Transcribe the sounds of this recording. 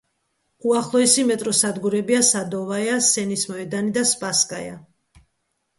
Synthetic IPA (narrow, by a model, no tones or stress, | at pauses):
uaχlˠɔɛsimɛt̪ʼɾɔsad̪ɡuɾɛbiasad̪ɔvajasɛnismɔɛd̪anid̪aspʼaskʼaja̰